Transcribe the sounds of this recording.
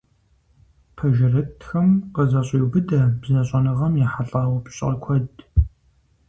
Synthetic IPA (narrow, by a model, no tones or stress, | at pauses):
pʰɐʒɪrɨtʰxɐmqəzɐɕʼiːwbɨdɐbzɐɕʼɐnɨʁɐmjɛħaɬʼaːwɐpʰɕʼɐ̰kʷʰɔd